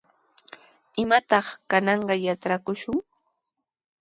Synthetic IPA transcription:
ɪmat̪ɑχkanɑɴɢɑjaʈ͡ʂɾakʊʃʊŋ

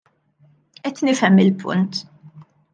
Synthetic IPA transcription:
ʔɛt̪ːnɪfɛmːɪlpʰʊ̰nt̪

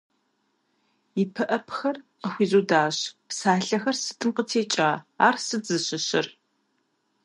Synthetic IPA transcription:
ipʰɨʔɐpʰxɐrqəxʷiːzuːdaːɕpsaːɬɐxɐrsɨ̥tʼɨmqətʰeːt͡ʃʼaːaːrsɨd͡zɨɕɪɕɪr

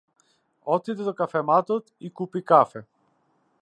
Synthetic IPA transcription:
ɔt̪id̪ɛd̪ɔkafɛmat̪ɔt̪ikupikafɛ

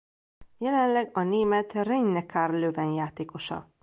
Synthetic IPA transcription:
jɛlɛnlɛɡɒneːmɛt̪rɛɲnɛkarløːvɛnjaːt̪eːko̞ʃɒ̰

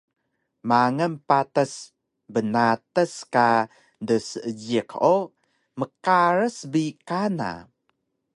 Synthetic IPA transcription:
maŋənpatəs | bənat̪əska | dəsəəd͡ʒiko | məkaɾəsbikana̰

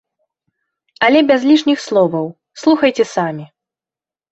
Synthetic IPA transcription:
ɐlʲɛbʲazlʲiʂnʲixslˠɔvɐw | slˠuxɐjt͡sʲɛsamʲi

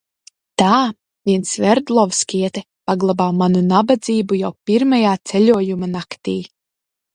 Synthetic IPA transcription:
t̪aː | vʲiɛnsvɛɾd̪lˠɔvskiɛt̪ɛ | paɡlˠabaːmanunabad̪ziːbujawpʲiɾmajaːt̪sɛlʲuɔjumanakt̪iː

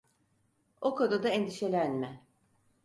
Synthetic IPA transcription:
okʰod̪od̪aend̪iʃe̞lʲænmɛ

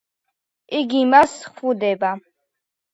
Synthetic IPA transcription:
ʔiɡimasχud̪ɛba

